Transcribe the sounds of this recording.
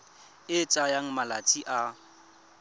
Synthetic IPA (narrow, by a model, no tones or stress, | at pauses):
ɪt͡ʃʼajaŋ̩malat͡sʼiʔa